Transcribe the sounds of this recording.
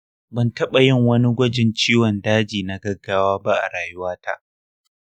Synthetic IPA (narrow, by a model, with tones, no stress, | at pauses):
bɐ˨ntɐ˦ɓa˨jɪ˦˨ŋwɐ˦ni˦ɡʷɐ˦d͡ʒɪ˨nt͡ʃiː˦wɔ˨ndaː˦d͡ʒiː˨na˨ɡɐ˦ɡːaː˦waː˦ba˦ʔa̰˨ɽaː˨jʊ˦waː˦tʰa̰˦ʔ